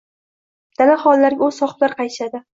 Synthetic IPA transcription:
d̪̥anaχɒnlaɾɡʲaʊz̥sɒχt̪laɾqʰɑjt̪ʰɪ̥ʃad̪ɪ

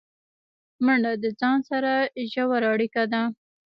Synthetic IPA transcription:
məɳɖad̪əd͡zɑnsaɾaʒawaɾaɽikad̪a

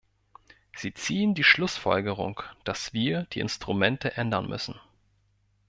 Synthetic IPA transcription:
z̥iːt͡siːəndiːʃlʊsfɔ̰lɡəʁ̞ʊ̰ŋd̥asv̥iːɐd̥iːʔɪ̰nstʁ̥umɛntəʔɛndɐnmʔʏ̰sn̩

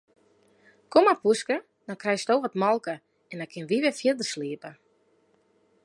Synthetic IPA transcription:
komapuskə | dɔnkrɛjstoːvɔtmɔlˠkə | ɛndɔnkʰɪnʋiʋɪfjɪdərsliəpə

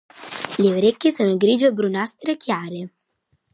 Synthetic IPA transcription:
leoɾekːisoːnoɡɾiːd͡ʒoebɾunast̪ɾekjaːɾɪ

